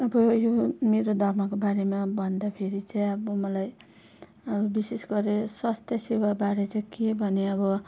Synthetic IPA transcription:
ʌbʌjomeɾod̪ʱʌrmʌkobaɾemabʱʌnd̪apʰeɾit͡sʰʌj̃ʌbʌmʌlaj | ʌbʌbisesɡʌɾeswast̪ʰjʌsewabaɾet͡sʌkebʱʌneʌbʌ

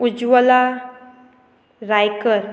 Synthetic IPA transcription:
ud͡ʒwəla | ɾajkəɾ

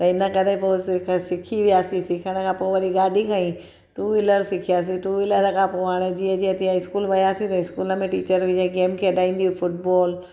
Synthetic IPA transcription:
t̪ɐɪnəkɐɾeposɪkʰsɪkʰiʋijaːsĩsɪkʰəɽ̃ə̆kʰãpoɪʋɐɗiɡaːɖʱikʰãĩ | ʈuːɪləɾsɪkʰijaːs̬iʈuːɪləɾəkʰãpoɦaːɽ̃ed͡ʑiːə̃d͡ʑiə̃t̪iːãɪskuːlʋɐjaːsĩt̪ɐɪskuːlə̆mẽʈiːt͡ɕəɾʋɪ̃d͡ʑẽɡeːmkʰeːɐɗaːĩːn̆d̪iɦufʊʈ̚bɔːl

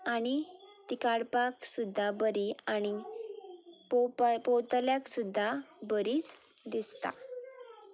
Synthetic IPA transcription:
aɽ̃it̪ikaɽpaksud̪ʱːabəɾiaɽ̃i | ppɔwt̪ljaksud̪ʱːabəɾiːt͡s | d̪ist̪a̰

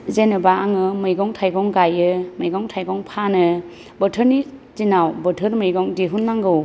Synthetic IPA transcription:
zenɯbaaŋɯmɯjɡɔŋtʰajɡɔŋɡajɯmɯjɡɔŋtʰajɡɔŋpʰanɯ | bətʰəɾnizinawbɯtʰɯɾmɯjɡɔŋdiɦunːaŋɡɯw

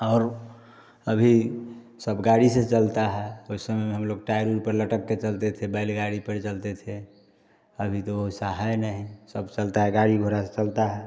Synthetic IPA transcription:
ɔːɾ | əbʱi | səbɡaɽiset͡ʃəlt̪aɦɛoisəmɛmeɦəmloɡ̚ʈajɾuɾpəɾləʈəkːet͡ʃəlt̪et̪ʰebəɪlɡaɽipəɾt͡ʃəlt̪et̪ʰe | əbʱit̪oosaɦajnəɦisəbt͡ʃəlt̪aɦɛɡaɽiɡʱoɾaset͡ʃəlt̪aɦɛ

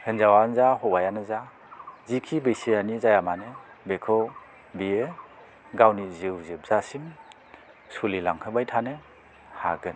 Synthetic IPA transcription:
hɯnzawanzaɦɔwajanɯza | zikʰibɯjsijanizajamanɯ | bekʰɯw | bie | ɡawniziwzɯp̚z̥asim | sulilaŋhʰɯbajtʰanɯ | haɡɯn

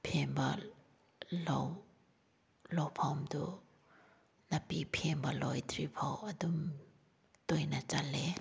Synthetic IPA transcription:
pʰembɐ | law | lɔwpʰawmdu | nɐpipʰembɐlɔjtɾipʰawɐdum | tojnat͡ʃale

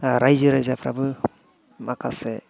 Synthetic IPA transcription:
ɾajzɯɾajzapʰɾa̰bɯ | makʰase

